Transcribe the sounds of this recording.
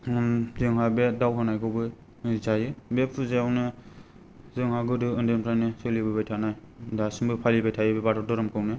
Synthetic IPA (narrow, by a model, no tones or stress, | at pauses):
zɯŋɦabedawhanajkɯbɯ | zajɯbepʰɯzajawnɯ | zɯŋhaɡɯdɯɯndɯmpʰɾajnɯsɯlibɯbajtʰanaj | dasiŋbɯpʰalibajtʰajɯbebatʰɔdɔɾɔmkʰɯwnɯ